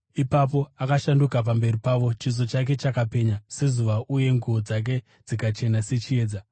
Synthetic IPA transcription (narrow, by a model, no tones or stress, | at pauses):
ipap̬o̞akaʃandukap̬ambe̞ripaʋo̞t͡ʃizo̞t͡ʃak̬e̞t͡ʃakape̞ɲase̞zuʋaʔuje̞ŋɡuod͡zak̬e̞ | d͡zikat͡ʃe̞nase̞t͡ʃie̞ːd͡za